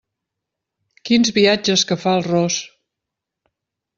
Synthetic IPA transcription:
kinzβiad͡ʒəskəfaəlˠrɔs

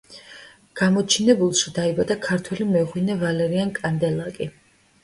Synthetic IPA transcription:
ɡ̥amɔt͡ʃʰinɛbulˠʃid̪aibad̪akʰaɾt̪ʰwɛlimɛuʁwinɛvalɛɾiankʼand̪ɛlˠakʼi

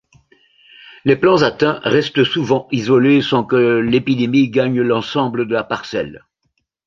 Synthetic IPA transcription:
leplɑ̃zat̪ɛ̃ʁɛst̪əsuvɑ̃izɔlesɑ̃kəlepid̪emiɡaɲlɑ̃sɑ̃bləd̪əlapaʁsɛ̰l

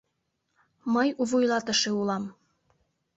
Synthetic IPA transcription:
məjuβujlɑt̪ə̆ʃeulɑm

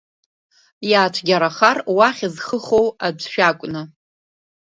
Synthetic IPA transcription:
jaːt͡ʃʷʰɡʲaɾaχarwaχʲizχəχo̞wab͡ʐʷʃᶣakʷʼnɨ

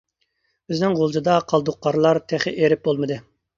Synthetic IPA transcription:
b̥ɪznɪŋʁolˠd͡ʒ̪ɨd̪ɑqʰɑlˠd̪ʊqːɑɾlˠɑɾt̪ʰɛχɪʔeɾɪp̚bolˠmɨd̪ɨ

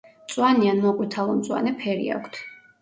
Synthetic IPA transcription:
t̪sʼwanianmɔqʼwit̪ʰalˠɔmt̪sʼwa̰nɛpʰɛɾḭa̰kʷʰt̪ʰ

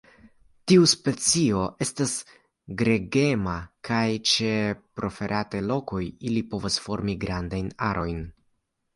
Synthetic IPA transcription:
tiuspe̞t͡sio̞ʔe̞stas | ɡɾe̞ɡe̞makʰajt͡ʃe̞pɾʔo̞fe̞ɾʔatelo̞ko̞jilipo̞vasfo̞ɾmiɡɾandajnaɾʔo̞jn

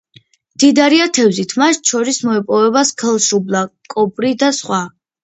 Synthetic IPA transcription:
md̪̥id̪aɾiat̪ʰɛvzit̪ʰmaʃt̪ʃʰɔɾismɔɛpʼɔvɛbaskʰɛlˠʃublˠakʼɔpʼɾid̪asχwa

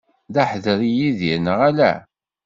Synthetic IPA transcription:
ðæħðəɾijiðinəʁælæ̰

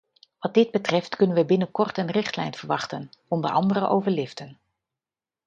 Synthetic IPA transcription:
ʋɑt̚dɪd̚bətrɛftkɵnənʋəbɪnəkɔɹtənrɪχtlɛ̰jnv̥əɹʋɑχtənɔndəɹʔɑ̰ndərəʔowvəɹlɪftən

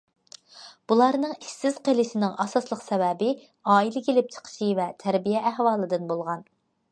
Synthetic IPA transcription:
b̥ulˠɑɾnɨŋisːɪz̥qelɪʃɪnɪŋɑsɑslˠəqsɛvɛbɪ | ɑːilɪkʲʰelɪp̚t͡ʃʰə̥qʰə̥ʃivɛt̪ʰæɾbijɛʔæhwɑːlˠɨd̪ɨnbolˠʁɑn

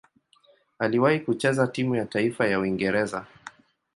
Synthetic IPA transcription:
aliwahikut͡ʃɛzatimujataifajauiŋɡɛɾɛza

